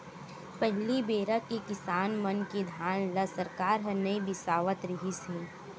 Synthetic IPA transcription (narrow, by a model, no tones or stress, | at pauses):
pəɦlibeːɾəkekɪsaːnmɐnked̪ʱjaːnlɐsɐɾkaːɾɦɐnɐibɪsaːʋət̪ɾɪɦiseː